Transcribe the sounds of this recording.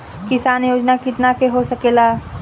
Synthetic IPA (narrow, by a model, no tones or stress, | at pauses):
kɪsaːnjoːd͡ʒnakɪt̪nakeɦosɐkeːlaː